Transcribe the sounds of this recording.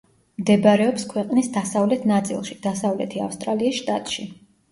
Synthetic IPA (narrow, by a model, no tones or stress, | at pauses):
md̪ɛbaɾɛɔpskʰwɛqʼnisd̪asavlɛt̪ʰnat̪sʼḭlˠʃid̪̥asavlɛt̪ʰia̰fst̪ʼɾaliːsʃt̪ʼat̪ʼʃi